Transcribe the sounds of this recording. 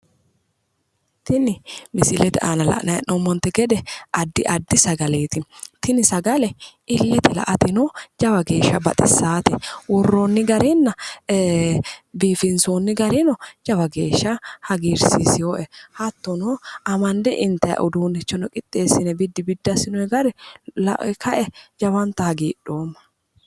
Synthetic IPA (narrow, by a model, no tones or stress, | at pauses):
t̪ɪnɪmɪsɪlɛt̪ɪʔaːnɐlɐ̰ʔnɐjɐ̰nɔmːɔnt̪ːɛɡɛd̪ɛʔɐd̪ːɪʔɐd̪ːɪsɐɡɐle̞ːt̪ɪt̪ɪnɪsɐɡɐlɛʔɪlːɛt̪ɪlɐ̰ʔɐt̪ɪnɔd͡ʒɐbɐɡe̞ːʃːɐbɐt̪ʼɪsːaːt̪ɪ̰wʊrːoːnːɪɡɐɾɪnːɐ | biːfɪnsoːnːɪɡɐɾɪnɔd͡ʒɐbɐɡe̞ːʃːɐhɐɡiːɾsisɪjoːʔɛhɐt̪ːɔnɔɐmɐnd̪ɛʔɪnt̪ːɐjɐ̰ʔʊd̪uːnɪt͡ʃːɔnɔkʼɪt̪ʼːe̞ːsɪnɛbɪd̪ːɪbɪd̪ːɐsɪnɔjɛɡɐɾɛlɐ̰ʔkʰɐʔɛd͡ʒɐbɐnt̪ːɐhɐɡiːɗːoːmːɐ̥